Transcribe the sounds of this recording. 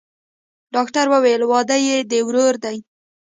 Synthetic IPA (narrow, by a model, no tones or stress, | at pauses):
ɖɑkʈaɾwəwelwɑd̪ajed̪əwɾoɾd̪aj